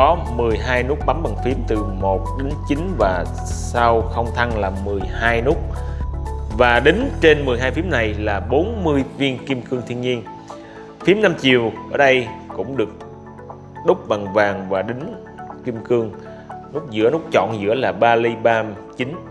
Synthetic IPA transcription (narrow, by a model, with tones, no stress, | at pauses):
kɔ˨˦ | mɨ˨˩əjɦaː˧jnu˦˥k̚ɓa˨˦mɓa˨˩ŋfi˨˦əmt̪ɨ˨˩mo˨˩t̚ɗe˨˦nt͡ɕi˨˦nvaː˨˩ | sa˧wxə˧wŋ͡mt̪ʰa˧ŋlaː˨˩mɨ˨˩əjhaː˧jnu˦˥k͡p̚ | vaː˨˩ɗï˨˦ŋ̟t͡ɕe˧nmɨ˨˩əjɦaː˧jfi˨˦əmna˨˩jlaː˨˩ɓo˨˦nmɨ˧əjvi˧ənki˧mkɨ˧əŋt̪ʰi˧əŋɲi˧ən | fi˨˦əmna˧mt͡ɕi˨˩əwʔəː˧˩ɗə˧jkʊ̰˧˥ŋ͡mɗɨ˨˩ək̚ | ɗʊ˦˥k͡p̚ɓa˨˩ŋvaː˨˩ŋvaː˨˩ɗï˨˦ŋ̟ | ki˧mkɨ˧əŋ | nu˦˥k̚zɨ̰˧˥ənu˦˥k̚t͡ɕɔ̰˧˨nzɨ̰˧˥əlaː˨˩ɓaː˧li˧ɓaː˧ | t͡ɕi˨˦n